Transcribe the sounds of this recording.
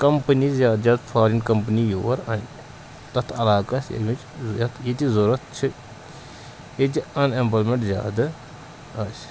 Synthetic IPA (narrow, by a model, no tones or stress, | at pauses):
kɐmpənizʲjaːd̪zjaːd̪fʰaːɾinkɐmpənijoːɐɾɐnʲ | t̪ɐt̪ʰɐlaːkɐsjɐ̰mit͡ʃjɐt̪ʰjet̪izoɾɐt̪̚t͡ʃʰi | ed͡ʒiɐnempɐlmẽɳʈzja̰ːd̪ɐ | ɐs